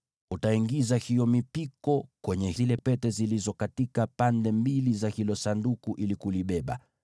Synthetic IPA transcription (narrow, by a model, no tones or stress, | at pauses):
utaiŋɡizahijɔmipikɔkwɛɲɛhilɛpɛtɛzilizɔkatikapandɛmbilizahilɔsandukuʔilikuliɓɛɓa̰